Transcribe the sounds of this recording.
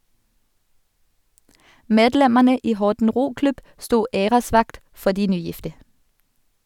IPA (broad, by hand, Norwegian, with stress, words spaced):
ˈmeːdˌlɛməʁnə ˈiː ˈhɔʁtn̩ ˈʁuːˌklʉb ˈstuː ˈeːʁəˌsʋɑkt ˈfɔ ˈdiː ˈnyːˌjɪftə